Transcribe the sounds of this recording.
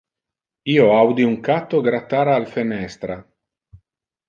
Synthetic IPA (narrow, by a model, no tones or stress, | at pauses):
iːoawd̪iuŋkat̪ːoɡɾat̪ːaːɾaːlfenɛst̪ɾa